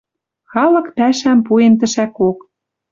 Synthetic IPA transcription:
xɑlɤ̆kpæʃæmpuemt̪ɘ̆ʃækok

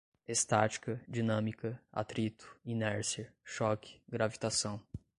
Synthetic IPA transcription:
est̪at͡ʃi̥kɐd͡ʒinɐ̃mikɐa̰t̪ɾit̪ʊ̥inɛɾsiɐʃɔkɪ̥ɡɾavit̪asɐ̃w̃

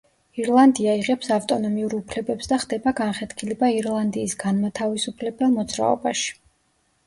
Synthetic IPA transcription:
iɾlˠand̪iaiʁɛpsaft̪ʼɔnɔmiuɾupʰlɛbɛpsd̪aχd̪ɛbaɡanχɛt̪kʰilɛbaiɾlˠand̪iːsɡanmat̪ʰavisupʰlɛbɛlˠmɔd̪zɾa̰ɔ̰baʃi̥

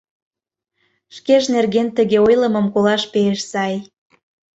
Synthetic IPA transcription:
ʃkeʃnerɣent̪ə̆ɣeojlə̆mə̆mkolɑʃpeeʃsɑj

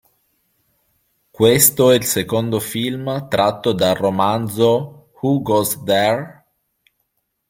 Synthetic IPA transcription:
kwest̪oɛilsekond̪ofilmt̪ɾʔat̪ːod̪aromand̪zo | huɡɔzd̪ɛr

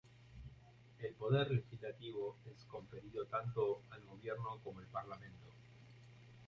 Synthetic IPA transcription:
e̞lpo̞ð̞e̞ɾle̞xizlat̪iβo̞e̞sko̞ɱfe̞ɾiðot̪ant̪oalɣo̞βje̞ɾnoko̞moelpaɾlamẽ̞nt̪o

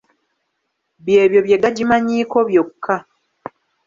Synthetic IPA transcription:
βje̞ːβjo̞βje̞ɡaɟimaɲiːko̞βjo̞kʰːa

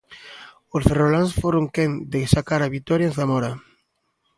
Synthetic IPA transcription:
osferolansfoɾoŋkend̪esakaɾaβit̪ɔɾjazðamɔɾa

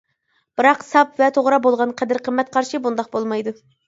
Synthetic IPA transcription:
b̥ɨɾɑqsɑpvɛt̪ʰoʁɾɑbolˠʁɑnqʰɛd̪ɨɾqʰəmːɛt̪̚qʰɑɾʃibund̪ɑqbolˠmɑjd̪u

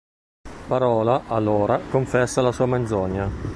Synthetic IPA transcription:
paɾɔːlaʔalːoːɾakoɱfɛsːalasuːamend̪zɔɲːa

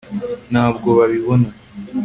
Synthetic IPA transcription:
naːb̚ɡo̞βaβiβo̞na

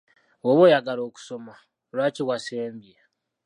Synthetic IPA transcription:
woβoːjaɡalo̞ːku̥so̞ma | lwaːciβwaseːmbija

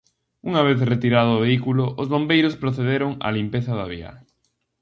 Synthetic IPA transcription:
uŋaβ̞eθret̪iɾaðoːβeikulʊʔːzβombejɾʊspɾoθeðeɾʊŋa̰limpeθɐðaβ̞ia̰

